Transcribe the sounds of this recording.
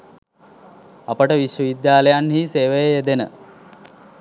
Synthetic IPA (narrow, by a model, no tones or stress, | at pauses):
apəʈəʋiʃʋəʋid̪jaːləjanɦiːseːʋejeed̪enə̰